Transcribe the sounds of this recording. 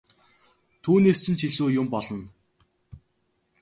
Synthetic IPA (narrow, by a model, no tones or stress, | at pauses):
t̪ʰuːneːst͡ɕɘ̆nt͡ɕʰiɮuːjʊmpɔɮɞ̆n